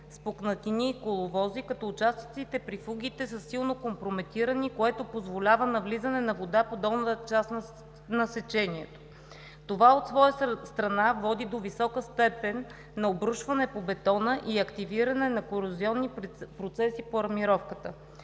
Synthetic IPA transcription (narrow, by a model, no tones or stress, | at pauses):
spoknɐt̪iniːkolˠovɔzikɐt̪ɔʊt͡ʃast̪i̥t̪sit̪ɛpɾifuɡ̟ʲit̪ɛsɐsːilˠnokompɾomɛt̪iɾənikoɛt̪opozvolʲavənɐvlizənɛnɐvod̪apod̪ɔlˠnət̪ət͡ʃasn | nɐsɛt͡ʃɛniɛt̪o̥ | t̪ovaot̪svɔjəst̪ɾɐnavɔd̪id̪ovisɔkəst̪ɛpɛnː | ɐobɾuʃvɐnɛpobɛt̪ɔnəʔiɐkt̪iviɾɐnɛnɐkoɾʊziɔnːipɾot̪sɛsipoɐɾmiɾɔfkət̪ə